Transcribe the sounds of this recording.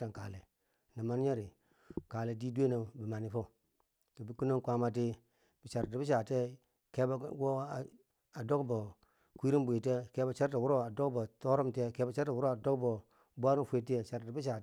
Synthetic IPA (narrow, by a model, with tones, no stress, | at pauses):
a˨ŋka˨le˨ | na˨ma˦n˦ɲe˦ɾi˨ | ka˨le˨di˦dʷe˦no˨bi˨ma˨ni˨fo˦˨ | to˨bi˨˦ku˦no˦ŋkʷa˦ma˨t̬i˦ | bi˨t͡ʃa˨ɾti˨bi˦ʃa˨te˦ | ke˨˦bwo˦˨ | a˨do˦kbo˨ | kʷi˦ɾi˦m˦bʷu˨i˨te˦ke˨˦ba˨t͡ʃa˦ɾta˨wu˦ɾo˦˨a˨do˦kbo˨to˦ɾo˦mte˦˨ke˨˦bo˦t͡ʃa˦ɾta˨wu˦ɾo˦a˨do˦kbo˨ | bʷa˦ɾi˦fe˨ti˦e˨t͡ʃa˨ɾti˨˦bi˦ʃ̬a˨˦